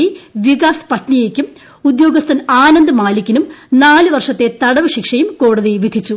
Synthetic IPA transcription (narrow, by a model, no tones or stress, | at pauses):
iʋikaːspɐʈɳijeːkʲːum | ud̪jo̞ːɡɐst̪ʰɐnaːnɐnd̪ɐmaːlikʲːinumnaːlɨʋɐrʂɐt̪ːe̞t̪ɐɽɐʋɐɕikʂɐjumko̞ːɽɐðiʋid̪ʱit͡ɕːu